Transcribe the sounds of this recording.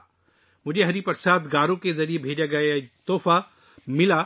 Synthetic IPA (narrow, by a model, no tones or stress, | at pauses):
mʊd͡ʒʱeɦɐɾipɐɾsaːt̪ɡaːɾõkezɐɾiebʱeːd͡ʒaɡɐjat̪oːfa | mɪlaː